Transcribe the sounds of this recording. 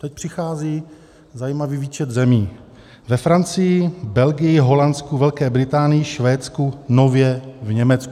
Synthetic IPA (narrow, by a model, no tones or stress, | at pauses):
t̪ɛc̚pr̝̥ɪxaːziː | zajiːmaviːviːt͡ʃɛt̪zɛmiː | vɛfɾant͡sɪjɪbɛlɡɪjɪɦo̞lant̪skuvɛlkɛːbɾɪt̪aːnɪjɪʃvɛːt̪t͡skunovjɛvɲɛmɛt͡sku